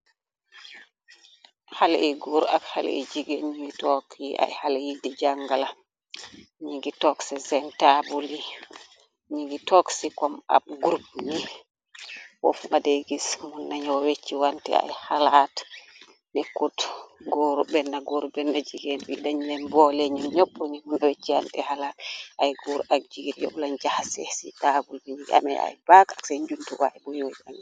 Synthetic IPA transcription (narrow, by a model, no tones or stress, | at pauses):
hal̰ʔiɡoɾa̰khal̰ḭd͡ʒiɡɛnɲiŋɡitɔkʰʔa̰jhalajidɛd͡ʒaŋɡala | ɲiɡitɔksɛzɛntabuli | ɲiŋɡitɔksikɔma̰bɡuɾbni | wɔ̰fmadeɡismunːaɲawɔwet͡ʃːiwantɛ̰a̰jhalat | nekːutɡoɾubɛnːaɡoɾubɛnːad͡ʒiɡɛnbḭdaɲinɛmbɔlɛɲumɲopːuɾɲimunːawet͡ʃːiwa̰ntɛhalatajɡoɾuʔaɡ̚d͡ʒiɡɾjɔ̰blaɲd͡ʒahasɛ̰sḭtabulbiɲiɡa̰mɛ̰a̰jbakaksaɲd͡ʒuntuɡɔaɛbɔjod͡ʒa̰n